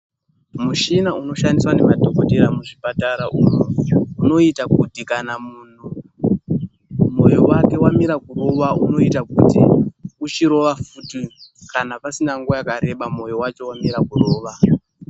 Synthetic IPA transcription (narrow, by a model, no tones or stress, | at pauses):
muʃinauno̞ʃandiswane̞madʱo̞koteɾamuʐipataɾaʔuːnouno̞itakutikanamuːn̤u | mo̞jowake̞wamiɾakuro̞ʋauno̞itakutḭut͡ʃiɾo̞ʋafutikanapasinaŋɡojakaɾe̞ɓamo̞jowat͡ʃo̞wamiɾakuro̞ːʋa